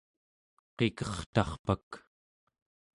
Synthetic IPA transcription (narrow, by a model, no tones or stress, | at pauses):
qekʌχt̪ɑχpak